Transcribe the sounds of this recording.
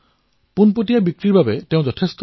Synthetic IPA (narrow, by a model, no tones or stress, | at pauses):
punpotijabikɹiɹbabɛteʊ̃zɔtʰest̪